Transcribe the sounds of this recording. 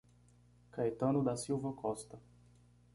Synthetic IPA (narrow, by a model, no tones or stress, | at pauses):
kajt̪ɐ̃nʊd̪ɐsiwvɐkɔst̪ɐ